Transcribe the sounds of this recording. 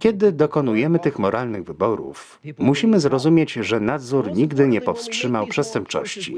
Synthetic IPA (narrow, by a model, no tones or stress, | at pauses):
kʲɛd̪ɘd̪ɔkɔnujɛmɘt̪ɘxmɔɾalnɘɣvɘbɔɾṵf | muɕimɘzɾɔzumʲjet͡ɕʐɛnad̪zuɾɲiɡd̪ɘɲɛpɔfstʂɘmawpʂɛst̪ɛmp̚t͡ʂɔ̰ɕt͡ɕḭ